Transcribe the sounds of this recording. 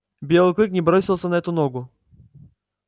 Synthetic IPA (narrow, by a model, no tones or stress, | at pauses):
bʲjɛlˠɨklˠɨknʲɪbɾɔsʲilˠsɐnɐɛt̪ʊnɔɡʊ